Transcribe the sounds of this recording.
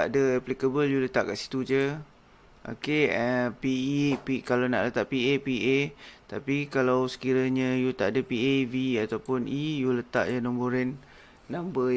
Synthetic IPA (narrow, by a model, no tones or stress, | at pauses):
aʔdəaplikəbəljulət̪aʔka̰ʔsi̥t̪ud͡ʒə | ʔo̰keəpiipikalawna̰ʔlət̪aʔpiepiʔet̪apikalawsə̥kiɾaɲãjut̪aʔadapieviat̪awpʊnʔijulət̪a̰ʔjanɔ̃mboɾɛnː | ãmbə